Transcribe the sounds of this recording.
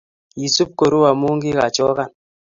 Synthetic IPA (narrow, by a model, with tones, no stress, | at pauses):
ji˨su˦p̚ko˨ɾu˦wa˨mu˦ŋ˦ɡi˦ɣa˨t͡ʃɔ˦ɣa˦˨n